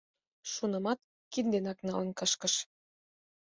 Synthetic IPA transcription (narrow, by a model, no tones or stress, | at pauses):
ʃunɤ̆mɑt̪̚ | kind̪enɑknɑ̰lə̆nkə̆ʃkə̆ʃ